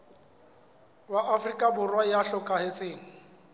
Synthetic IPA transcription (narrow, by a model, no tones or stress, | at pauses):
bwaʔafrikʼabʊrwajaɬɔkʼahet͡sʼeːŋ̩